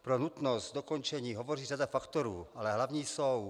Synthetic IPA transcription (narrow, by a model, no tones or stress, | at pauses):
pɾonut̪nost̪̚d̪okont͡ʃɛɲiːɦovo̞riːradafakt̪o̞ɾuːʔalɛɦlavɲiːsow